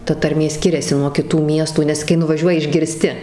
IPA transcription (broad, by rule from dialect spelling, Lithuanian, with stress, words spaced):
ˈtɐ tɐrʲˈmʲeː ˈsʲkʲɪrʲɛsʲɪ nuɔ kʲɪˈtuː ˈmʲiɛstuː nʲɛs kɐɪ nʊʋɐˈʒʲuɔjɪ ɪʒʲɡʲɪrʲˈsʲtʲɪ